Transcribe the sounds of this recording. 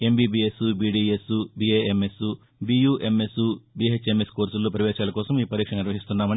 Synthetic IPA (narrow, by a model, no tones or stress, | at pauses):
e̞mbiːbiːesubiːɖiːesubiːeːemesu | bijuːʔe̞mesubiːet͡ʃemeskoːɾsulːoːpɐɾɐʋɛːʃaːlɐkɔːsɐmiːpɐɾiːkʂɐnɐniɾʋɐɦist̪unːaːmɐn